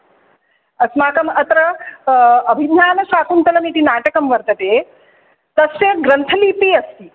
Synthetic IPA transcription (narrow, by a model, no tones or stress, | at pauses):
ɐsmaːkɐmɐt̪ɾɐ | ɐbʱid̪jaːnɐsaːkʰunt̪ɐlɐmit̪inaːʈɐkɐmʋɐɾt̪ɐt̪eː | t̪ɐsjeɡɾɐnt̪ʰɐliːpiɐst̪i